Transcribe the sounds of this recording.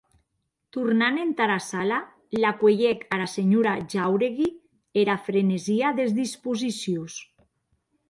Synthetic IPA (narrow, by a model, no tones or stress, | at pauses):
t̪uɾnanent̪aɾasala | lakweʎɛkaɾaseɲuɾaʒawɾeɣi | eɾafɾeneziaðezðispuzisjos